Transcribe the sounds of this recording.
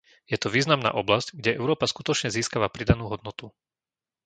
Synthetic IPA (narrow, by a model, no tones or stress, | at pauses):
jɛt̪ɔʋiːznamna̰ːʔɔblazcɡɟɛɛʊɾɔːpaskut̪ɔt͡ʃɲɛziːskaʋapɾid̪anuːɦɔd̪̚nɔt̪u